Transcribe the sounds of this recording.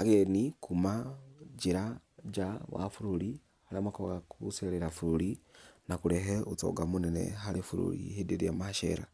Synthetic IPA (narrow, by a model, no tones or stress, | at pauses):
aɣenikumad͡ʒiɾad͡ʒawa̰fuɾuɾi | haliamakoɣakʰuseɾeɾafuɾuɾinakuɾeɦeut͡so̰ɡamunenḛɦaɾefuɾṵɾḭhideɾijamaʃḛɾa